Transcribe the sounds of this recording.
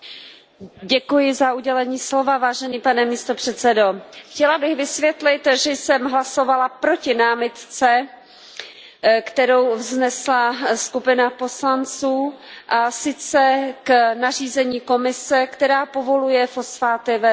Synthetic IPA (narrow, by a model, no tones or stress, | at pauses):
ɟɛkujɪzaʔuɟɛlɛɲiːslo̞vavaːʒɛniːpanɛmiːst̪opr̝̥ɛt̪t͡sɛdoxcɛlabɪɣvɪsvjɛt̪lɪt̪ʒɛjsɛmɦlaso̞valapɾo̞cɪnaːmɪt̪t͡sɛ | kt̪ɛɾowvznɛslaskupɪnapo̞slant͡suːʔasɪt͡sɛknariːzɛɲiːko̞mɪsɛkt̪ɛɾaːpo̞vo̞lujɛfo̞sfaːt̪ɪvɛ